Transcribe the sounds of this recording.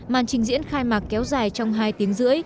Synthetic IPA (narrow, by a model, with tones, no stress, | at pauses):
maː˨˩nt͡ɕï˧˩ŋ̟zḭ˧˥ənxaː˧jmaː˨˩k̚kɛ˨˦wzaː˨˩jt͡ɕɔ˧wŋ͡mɦaː˧jt̪i˨˦əŋzɨ̰˧˥əj